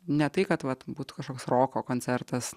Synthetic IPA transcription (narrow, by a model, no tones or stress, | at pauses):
nʲɛt̪ɐɪkɐt̪ʋɐt̪buːt̪u̥kɐʃkoːksɾoːkoːkoːnʲt͡sʲɛɾt̪ɐs